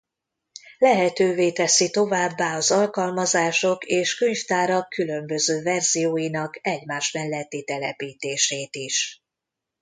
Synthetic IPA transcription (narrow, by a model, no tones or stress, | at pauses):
lɛɦɛt̪øːveːt̪ɛsit̪o̞vaːbːaːɒzɒlkɒlmɒzaːʃo̞keːʃkøɲft̪aːɾɒkʰːylø̞mbø̞zøːvɛrz̥ijoːjinɒkɛɟmaːʃmɛlːɛt̪ːit̪ɛlɛpiːt̪eːʃeːt̪iʃ